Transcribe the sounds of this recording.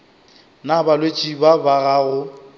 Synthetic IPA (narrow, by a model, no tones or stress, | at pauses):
nabalwet͡ʃʼibabaɣaɣʊ